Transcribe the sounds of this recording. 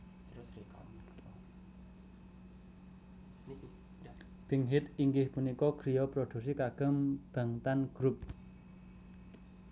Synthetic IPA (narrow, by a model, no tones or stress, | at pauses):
t̪ɾik | b̥iŋɦɪt̪iŋɡɪhpunikɔkɾijɔpɾod̪̥ṳks̬ikaɡ̥ə̤mb̥a̤ŋt̪anɡ̥ɾup̚